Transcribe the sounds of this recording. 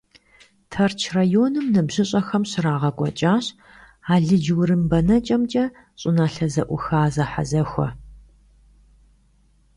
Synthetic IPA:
tʰɐrt͡ʃʰrajoːnɨmnɐbʑɪɕʼɐxɐmɕɪraːʁɐkʷʼɔt͡ʃʼaːɕ | aːɮɨd͡ʒwrɨmbɐnɐt͡ʃʼɐmt͡ʃʼɐ | ɕʼɪnaːɬɐzɐʔʷʊxaːzɐħa̰zɐxʷɔ̰

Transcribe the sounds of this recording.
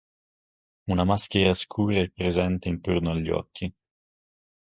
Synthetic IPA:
unamaskeɾaskʰuːɾaɛpːɾezɛnt̪eint̪ornoaʎːɔ̰kʰːi

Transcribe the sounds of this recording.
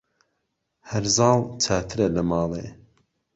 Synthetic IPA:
hɐɾzɑːlˠt͡ʃʰaːt̪ʰɨɾɐlɐmɑːlˠḛ

